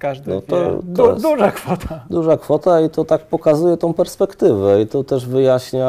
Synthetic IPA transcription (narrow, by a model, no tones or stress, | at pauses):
kad̪nɔ̰t̪ɔd̪uʐakfɔt̪ʰad̪uʐakfɔt̪ait̪ɔt̪ak̚pɔkazujɛt̪ɔ̃w̃pɛɾspɛkt̪ɘvɛit̪ɔt̪ɛʐvɘjaɕɲa